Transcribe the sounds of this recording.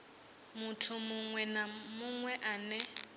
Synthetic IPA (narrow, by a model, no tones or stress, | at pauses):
mʊtʰʊmʊŋwɛnamʊŋwɛʔaːnɛ